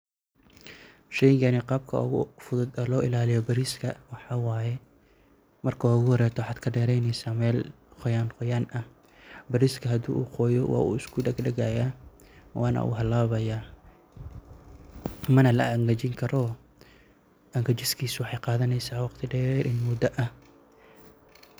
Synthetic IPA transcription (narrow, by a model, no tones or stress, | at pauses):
ʃɛjɪŋkʰɐnɪqɑːb̚kʰɐ̰ɣʊ̰fʊðʊd̪ɐlɔːʔɪlaːlɪjɔbɐɾiːskʰɐwɑħɑwaːjɛ | mɐrkʰɐwɑːʊɣʊhɔɾɛːt̪ʰɔwħɑːd̪kʰɐɖɛːɾɛjnɛjsaːmɛːl | qɔjaːnqɔjaːnɐ | bɐɾiːskʰɐɦɐd̪ṵːʔṵːqɔːjɔwɑ̰ːṵːɪskʰʊɖɐɡɖɐɣaːjaː | wʔɑ̰ːnɐ̰ʔṵːɦɐlːaːβɐjaː | mɐnɐlɐ̰ɐŋɡɐt͡ʃɪŋkʰɐɾɔː | ʔɐŋɡɐt͡ʃɪskʰiːswɑħɑjqɑːðɐnɛjsaːwɑqt̪ʰɪɖɛːɾʔɪnmʊd̪ɐʔɐh